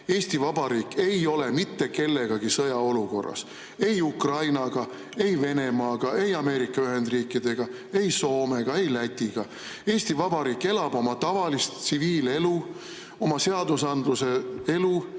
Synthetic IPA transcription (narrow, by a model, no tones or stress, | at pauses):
e̞ːst̪ivɑb̥ɑɾiːkːe̞jo̞le̞mit̪ːe̞ke̞lːe̞ɡ̥ɑɡ̥isɤjɑo̞luko̞rːɑ̰s | e̞jukrɑjnɑɡ̥ɑ | e̞jve̞ne̞mɑːɡ̥ɑe̞jɑme̞ːɾikːˑɑyɦe̞nd̪riːkːid̪̥e̞ɡ̥ɑ | e̞jso̞ːme̞ɡ̥ɑe̞jlæt̪ʲːiɡ̥ɑ | e̞ːsʲt̪ivɑb̥ɑɾiːkːˑe̞lɑb̥o̞mɑt̪ɑvɑlist̪siviːle̞lu | o̞mɑse̞ɑd̪usɑnd̪̥luse̞e̞lu